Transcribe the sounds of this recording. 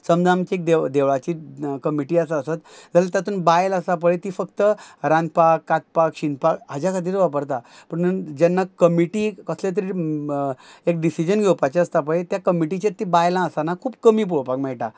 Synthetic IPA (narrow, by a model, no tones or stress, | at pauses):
səmd͡zamt͡ɕiek̚d̪ed̪eʋɭat͡ɕiːkəmiʈiːəsaəsat̪d͡zʱalat̪jat̪uːnbajləsap̬əɭet̪iːfəkt̪əɾãnd̪̚pakːat̪̚pakɕind̪pakɦad͡ʑjakʰad̪iːɾʋapəɾt̪apəɳəd͡ʑɛnːakəmiʈiːkəslet̪̬əɾi | ek̚ɖisid͡ʑənɡʱewpat͡ɕeəst̪apəɭet̪jakəmiʈit͡ɕet̪ːibajlãəsanakʰuːb̚kəmiːp̬uɭpakmɛɭʈa